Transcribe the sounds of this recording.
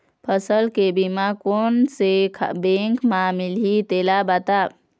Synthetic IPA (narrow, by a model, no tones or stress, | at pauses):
pʰəsəlkebimakonsekʰbẽŋkmamilit̪elabat̪a